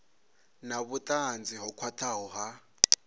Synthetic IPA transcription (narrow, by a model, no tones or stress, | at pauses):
naβʊtʼand͡ziɦɔkʰwatʰaɦɔɦa